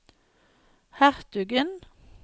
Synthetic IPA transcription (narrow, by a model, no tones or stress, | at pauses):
hæʁt̪ʉɡən